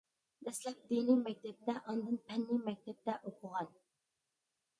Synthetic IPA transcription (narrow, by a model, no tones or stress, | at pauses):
d̪ɛslɛp̚d̪inimɛk̚ʲt̪ʰɛp̚d̪ɛʔɑnd̪ɨnpʰɛnːimɛk̚ʲt̪ʰɛp̚t̪ɛʔoqʰʊʁɑn